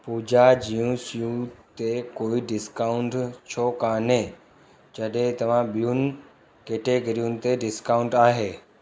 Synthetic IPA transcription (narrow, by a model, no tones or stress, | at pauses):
puːd͡ʑad͡ʑijũsijũt̪ekoːiɖɪskaːʊ̃ɳʈt͡ɕʰokaːnẽ | d͡ʑɐɗɦẽt̪ɐʋ̤ãɓijʊnɪ̆ | keːʈeɡɐɾijʊnɪ̆t̪eɖɪskaːʊ̃ɳʈaːɦeː